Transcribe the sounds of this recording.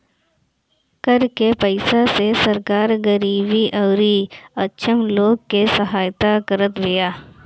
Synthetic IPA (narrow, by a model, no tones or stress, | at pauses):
kəɾkepəɪsasesəɾkaːɾɡəɾiːbiʔɔːɾiətːʃʰəmloːɡ̚kesəɦaːjt̪akəɾət̪ʋejaː